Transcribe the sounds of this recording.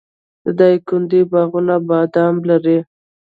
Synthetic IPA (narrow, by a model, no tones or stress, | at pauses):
d̪əd̪akʊnd̪ibaɣunabɑd̪amlaɾi